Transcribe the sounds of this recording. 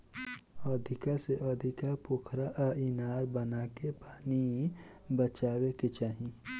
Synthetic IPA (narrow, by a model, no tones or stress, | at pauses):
ɔːd̪ʱɪkaseʔɔːd̪ʱɪkapʊkʰɾaʔinaːɾbənaːkepaːni | bət͡ʃaːweket͡ʃaːɦĩ